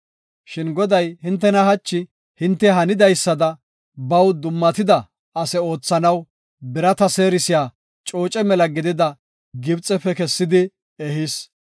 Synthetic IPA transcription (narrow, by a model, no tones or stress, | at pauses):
ʃɪnɡɔd̪ɐjhɪnt̪ːɛnɐhɐt͡ʃːɪ | hɪnt̪ːɛɦɐnɪd̪ɐjsːɐd̪ɐ | bɐwd̪ʊmːɐt̪ɪd̪ɐ | ɐsɛo̞ːt͡sːɐnɐw | bɪɾɐt̪ɐse̞ːɾɪsɪjaː | t͡ʃʼo̞ːt͡ʃʼɛmɛlɐɡɪd̪ɪd̪ɐ | ɡɪbt͡sʼɛpɛkɛsːɪd̪ɪ | ɛɦɪs